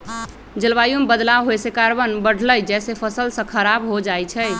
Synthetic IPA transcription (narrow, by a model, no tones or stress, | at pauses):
d͡ʒəlbajumbəd̪laɦojsekaɾbənbəɽ̤ʱləjd͡ʒɛsepʰəsəlsə̃kʰəɾabɦod͡ʒajt͡ʃʰə